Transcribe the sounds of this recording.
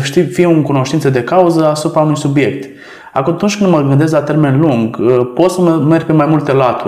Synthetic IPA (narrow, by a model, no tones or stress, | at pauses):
əʃt̪ifieoŋkuno̞ʃt̪int̪səd̪e̞kauzəasupɾaunujsubje̞kt̪ | a̰kt̪unt͡ʃkɨnd̪məɡɨnd̪e̞s̬klat̪e̞rme̞nluŋɡpo̞t̪səməme̞rɡ̚ʲpe̞majmult̪e̞lat̪u